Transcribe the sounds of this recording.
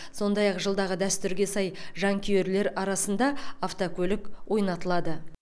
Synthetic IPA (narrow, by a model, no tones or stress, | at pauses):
so̞nd̪ɑjɑqʒəlˠd̪ɑʁəd̪æst̪ʏɾɡʲe̞sɑjʒɑŋkʲʰijeɾle̞ɾɑɾɑsənd̪ɑːft̪okʲʰɵlɪkwʔo̞jnɑt̪əlˠɑd̪ə